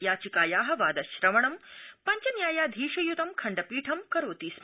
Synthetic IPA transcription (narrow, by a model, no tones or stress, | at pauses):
jaːt͡ʃikaːjaːɦɐ̆ʋaːd̪ɐʃɾɐmɐɳɐmpɐɲt͡ʃɐnjaːjaːd̪ʱiːʃɐjut̪ɐmkʰɐɳɖɐpiːʈʰɐmkɐɾoːt̪iːs